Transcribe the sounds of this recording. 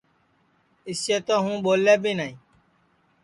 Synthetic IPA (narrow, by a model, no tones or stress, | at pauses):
ɪsʃeːt̪oːɦũːɓoːleːbiːnaːĩː